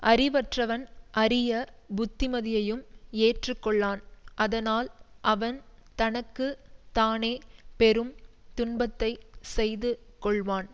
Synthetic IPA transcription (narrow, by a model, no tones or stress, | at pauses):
ʔɐɾɪʋɐʈrɐʋɐnʔɐrɪjɐbʊt̪ːɪmɐðɪjɐjɯmeːʈrɯkːɔɭːaːnʔɐðɐnaːlʔɐʋɐnt̪ɐnɐkːɯt̪aːneːpɛɾɯmt̪ʊnbɐt̪ːɐɪsɛjðɯ | kɔɭʋaːn